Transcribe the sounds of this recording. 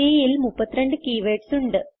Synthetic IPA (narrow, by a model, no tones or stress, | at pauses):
iːjilmupːɐt̪ːiɾeɳɖɨkiːʋeːʈsuɳɖɨ